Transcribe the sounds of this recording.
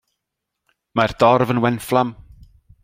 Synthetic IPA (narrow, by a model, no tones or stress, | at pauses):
mard̥ɔrvənwɛnflˠam